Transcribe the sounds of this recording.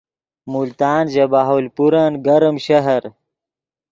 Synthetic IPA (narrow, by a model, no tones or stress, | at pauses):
mult̪aːnʑɐbaːɦoːlpuɾanɡɐɾɐmɕɐɦɐɾ